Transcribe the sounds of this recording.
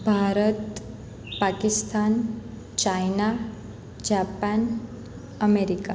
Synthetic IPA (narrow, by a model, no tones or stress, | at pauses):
bʱaɾət̪ | pakist̪ʰan | t͡ɕajna | d͡ʑapan | əmeɾika